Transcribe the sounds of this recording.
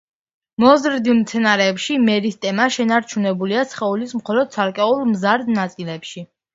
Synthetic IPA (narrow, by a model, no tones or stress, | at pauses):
mɔzɾd̪ilˠmt̪sʰɛnaɾɛːpʃimɛɾist̪ʰʼɛmaʃɛnaɾt͡ʃʰunɛbuliat̪sʰχɛulismχɔlɔd̪̥̚tsʰaɾkʼɛulˠmzaɾd̪nat̪sʼilɛpʃi